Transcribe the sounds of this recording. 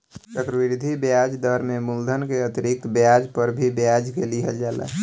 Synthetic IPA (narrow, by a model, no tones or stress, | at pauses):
t͡ʃəkɾəwiɾd̪ʱibjad͡ʒd̪əɾmemuld̪ʱənkeət̪iɾik̚t̪bjad͡ʒpəɾbʱibjad͡ʒkeliɦəld͡ʒala̰